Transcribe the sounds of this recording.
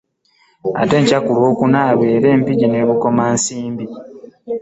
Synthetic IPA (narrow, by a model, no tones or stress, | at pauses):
a̰te̞ɲcakulo̞ːkunaːβe̞ːɾe̞ːmpiɟine̞ːβuko̞maːnsiːmbi